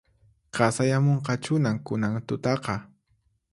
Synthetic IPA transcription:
qɑsajamoɴqɑt͡ʃʊnaŋkʊnaŋt̪ʊt̪ɑqɑ

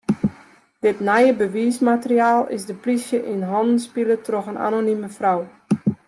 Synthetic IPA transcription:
d̥ɪtnɛjəbəʋiəsmatəriaːlˠɪ̰zdəplisjəʔinɦɔndən̩spilətroxəna̰noniməfraw

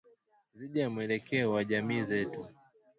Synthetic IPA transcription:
ziʄamwɛlɛkɛɔwaʄamiːzɛtu

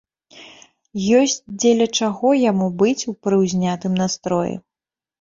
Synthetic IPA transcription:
jɔsʲt͡sʲd͡zʲelʲɐt͡ʂaɣɔjamubɨt͡sʲupɾɨwzʲnʲat̪ɨmnast̪ɾɔjɛ̰

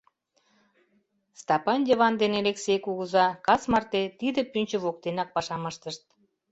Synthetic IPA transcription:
st̪ɑpɑnd̪ʲevɑnd̪eneleksejkuɣəzɑkɑsmɑrt̪et̪id̪ə̆pynʲt͡ɕə̆βok̚t̪enɑk̚pɑʃɑməʃt̪əʃt̪̚

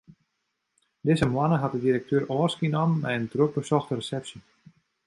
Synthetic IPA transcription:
dɪzəmlanəɦat̚dədiɾək̚tʰøːɾɔːrskinɔmːɛjəndruk̚bəsɔxtərəsɛpsi

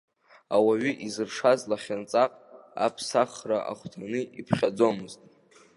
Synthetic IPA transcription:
awaɥʏʔizɨrʂazlaχʲant͡sʼaqʼa̰pʰsaχraʔa̰χʷtʰanɨipʰχʲad͡zo̞mɨztʼ

